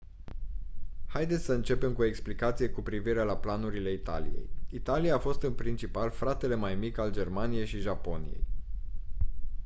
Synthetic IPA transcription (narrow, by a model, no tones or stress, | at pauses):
hajd̪esʲsəɨnt͡ʃe̞pe̞mkuoe̞ksplikat̪sije̞kupɾiviɾe̞laplanuɾile̞it̪a̰lḭje̞̰jit̪alijaːfo̞st̪ɨnpɾint͡ʃipalfɾat̪e̞le̞majmikʲald͡ʒe̞rmanije̞jʃiʒapo̞nḭjḛj